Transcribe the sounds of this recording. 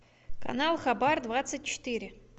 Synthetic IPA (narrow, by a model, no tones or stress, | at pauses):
ka̰nalˠχabard̪vat̪sɨt̚ʲt͡ɕɪ̥t̪ɨɾʲɪ